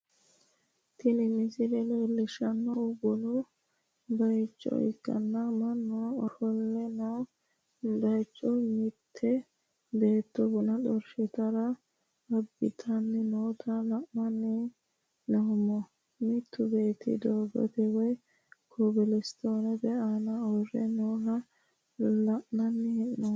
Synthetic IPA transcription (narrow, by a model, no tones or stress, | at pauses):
t̪ɪlɪmɪsɪlɛleːlːɪʃɐnːɔʊɡʊnʊ | bɐjt͡ʃʼːɔ̰ɪ̰kːɐ̰nːɐmɐnːɔɔkɔlːɛnɔ | d̪ɐjt͡ʃʼːɔmɪt̪ʰːɛ | beːt̪ːɔbʊnɐɗɔɾʃɪt̪ɐɾɐ | ɐbːɪt̪ʰɐnːɪnoːt̪ʰɐlɐʔmɐnːɪ | nɔhʊmɔ | mɪt̪ʰːʊbeːt̪ʰɪ̰d̪oːɡɔ̰t̪ɛwɔj | kʰɔbɛlɛst̪oːnɛbɛaːnɐɔrɛ̰noːhɐ | lɐʔnɐnːɪhɛnːɔ